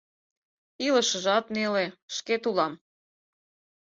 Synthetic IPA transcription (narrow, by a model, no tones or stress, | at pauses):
iləʃəʒɑt̪neleʃket̪ulɑm